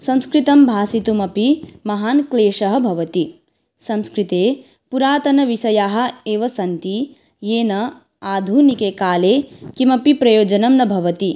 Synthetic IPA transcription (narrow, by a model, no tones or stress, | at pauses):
sɐmskɾit̪ɐmbʱaːsit̪umɐpimɐɦaːnkleːʃɐɦɐ̆bʱɐʋɐt̪i | sɐmskɾit̪eː | puɾaːt̪ɐnɐʋisɐjaːɦɐ̆eːʋɐsɐnt̪i | jeːnɐ | aːd̪ʱuːnikeːkaːleːkimɐpipɾɐjoːd͡ʒɐnɐmnɐbʱɐʋɐt̪i